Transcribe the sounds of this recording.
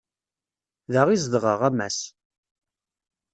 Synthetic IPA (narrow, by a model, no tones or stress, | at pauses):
ðəʁizd̪ʁəʁæmːæ̰s